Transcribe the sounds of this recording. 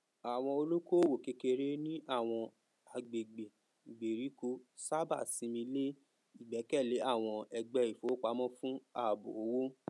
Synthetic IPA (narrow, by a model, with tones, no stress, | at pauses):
a˨w̃ɔ̃˧o˧lu˦ko˦˨wo˨ke˧ke˧ɾe˦nĩ˦ʔa˦˨w̃ɔ̃˧ | a˨ɡ͡be˨ɡ͡be˨ | ɡ͡be˨ɾi˨˦ko˧˦sa˦ba̰˦˨sĩ˨˦mĩ˧le˦ | i˦˨ɡ͡bɛ˨˦kɛ˦˨le˨˦a˦˨w̃ɔ̃˧ɛ˧ɡ͡bɛ˧˦i˨fo˨˦k͡pa˧˦mɔ̃˦fũ˦a˦˨bo˨o˨˦wo˦